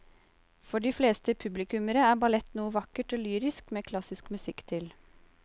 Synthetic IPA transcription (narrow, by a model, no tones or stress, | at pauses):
fɔɖiːfleːst̪əpʰʉblɪkʉməɾəæːbɑlɛt̪nuːəʋɑkəʈoːlyːɾɪskmeːkʰlɑsɪskmʉsɪkt̪ʰɪl